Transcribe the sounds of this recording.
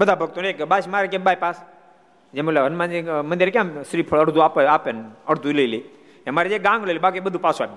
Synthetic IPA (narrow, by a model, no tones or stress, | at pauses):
bəd̪ʱabʱəɡ̚t̪onekbasmaɾekebajpas | d͡ʒemulaənmãd͡ʒimənd̪iɾek̬jãsɾipʰəɭəɽd̪ʱuapəapenəɽd̪ʱuləli | emaɾid͡ʒeɡãŋɡləlibak̬ibəd̪ʱũpasuap̚